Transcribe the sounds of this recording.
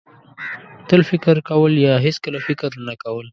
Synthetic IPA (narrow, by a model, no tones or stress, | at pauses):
t̪əlfɪkɾkawəljɑɦeskəlafɪkɾnakawəl